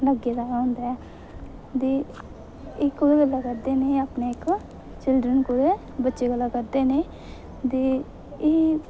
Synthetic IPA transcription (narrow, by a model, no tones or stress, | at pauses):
ləɡed̪aːɾaːʊ̃nd̪aɛː | d̪eː | ɪkːʊeɡəlːakəɾd̪eːneːaːpneːɪk | t͡ʃɪlɖɾənkʊɾe | bətːʃeːɡəlːaːkəɾd̪eːneː | d̪eː | eː